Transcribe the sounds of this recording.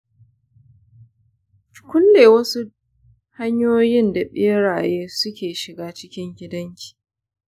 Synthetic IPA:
kʷʊ˦nːeː˨wɐ˦su˦ | ha˦ɲjoː˦jɪ˦nda˨ɓʼɪ˦ɽaː˨jeː˦sʊ˦kʲeː˨ʃɪ˨ɡaː˦t͡ʃɪ˦kʲɪ˦ŋɡʲɪ˦dɐ˦ŋkʲi̥ː˨

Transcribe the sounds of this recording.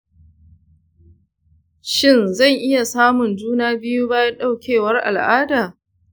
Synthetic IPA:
ʃɪ˦˨nzɐ˦˨ŋʔɪ˦ja˨saː˦mʊ˨nd͡ʒuː˦naː˦bɪ˦ju˦baː˦ja˦ɗa˦˨wkʲʰeː˨wɐ˦rʔa̰˨lʔaː˦daː˨

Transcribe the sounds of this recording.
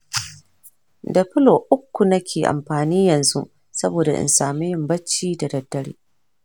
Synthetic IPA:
dɐ˨ɸɪ˦lo˨ʔʊ˦kʷːu˨nɐ˦kʲʰeː˨ʔa̰˨mɸaː˨niː˦jɐ˨nzṵ˦ʔ | sɐ˦boː˨da̰˨ʔɪ̰˨nsaː˨mi˦jɪ˦mbɐ˦t͡ʃːiː˦da˨dɐ˨dːɐ˦ɽḭː˦

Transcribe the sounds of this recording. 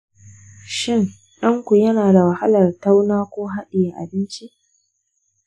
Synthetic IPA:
ʃɪ˦˨ŋ | ɗɐ˦ŋkʷu˨jɐ˦naː˨da˨wɐ˨ha˦lɐ˨rta˦wnaː˦kʷoː˦ɦa˦ɗɪ˨ja˨ʔa̰˨bɪ˦nt͡ʃi˦ʔ

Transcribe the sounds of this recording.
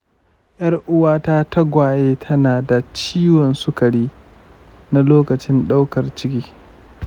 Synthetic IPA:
jʔɐ˦rʔʊ˦waː˦ta˦ta˦ɡʷaː˨jeː˦tʰɐ˦naː˨da˨t͡ʃiː˦wɔ˨nsʊ˦kɐ˨ɽiː˦ | na˦loː˦kɐ˨t͡ʃɪ˦nɗa˦wkɐ˨rt͡ʃɪ˦kʲiː˦

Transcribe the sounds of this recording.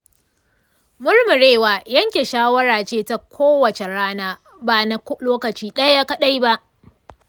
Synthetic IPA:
mʊ˦rmʊ˨ɽeː˦waː˨jɐ˦ŋkʲe˨ʃaː˦wɐ˦ɾaː˨t͡ʃeː˦ta˦kʷʰoː˦wɐ˨t͡ʃe˨ɽaː˦naː˦ | ba˨na˨kloː˦kɐ˨t͡ʃiː˦ɗɐ˦ja˦kɐ˦ɗa˦jba˦ʔ

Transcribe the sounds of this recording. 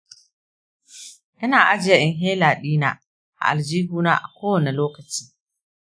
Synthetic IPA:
ʔɪ˦naː˨ʔa˦d͡ʒɪ˨ja˦ʔɪ˨ŋɦeː˦laː˨ɗiː˦na̰ː˦ | ʔa̰˨ʔa˨ld͡ʒiː˦ɡuː˦na̰ː˦ʔa̰˨kʷoː˦wɐ˨ne˨loː˦kɐ˨t͡ʃi̥ː˦

